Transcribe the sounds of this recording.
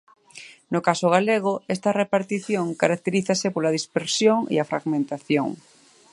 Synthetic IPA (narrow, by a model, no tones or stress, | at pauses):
nokasoɣ̞aleɣ̞oest̪arepaɾt̪iθjoŋkaɾak̚t̪eɾiθasepolaðispeɾsjoŋḭafɾa̰ɣmẽnt̪aθjo̰ŋ